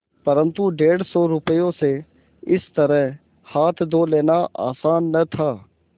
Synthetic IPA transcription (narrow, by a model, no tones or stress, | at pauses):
pəɾə̃nt̪uɖeːɽsɔːɾʊpəjõse | ɪst̪əɾəɦ | haːt̪ʰd̪oːleːnaʔa̰ːsaːnːət̪ʰaː